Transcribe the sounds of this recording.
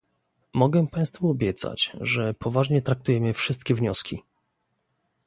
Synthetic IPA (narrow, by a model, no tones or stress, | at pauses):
mɔɡɛpãj̃st̪fuɔbʲjɛt̪sa̰t͡ɕʐɛpʰɔvaʐɲɛt̪ɾak̚t̪ujɛmɘfʂɘst̪̚kʲɛvɲɔskʲi